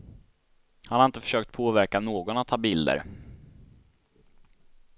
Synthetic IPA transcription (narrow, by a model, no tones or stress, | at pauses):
hanhaɾɪnt̪əfœ̥ʂøːkt̪̚pʰoːvæɾkanoːɡɔnat̪ʰːɑːbɪld̪ə̰ɾ